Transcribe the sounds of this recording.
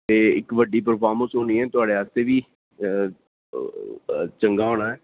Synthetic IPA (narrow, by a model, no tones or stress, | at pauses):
t̪eːɪkʋəɖiːpəɾpʰaːɾmənsɦoːniːɛːt̪ʊaːɖeːaːst̪eːʋiː | t͡ʃəŋɡaːɦoːnaːɛː